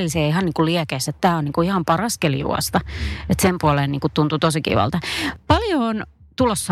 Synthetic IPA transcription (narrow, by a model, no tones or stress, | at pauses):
iˑseːiɦɑniːŋkulliɛkeːsːet̪t̪æːoniːŋkuihɑmpɑrɑskelijṵɑ̰st̪ɑet̪sempuɑleːniːŋkut̪t̪unt̪ut̪osikḭʋɑ̰lt̪ɑpɑljoːn | t̪ulosːɑ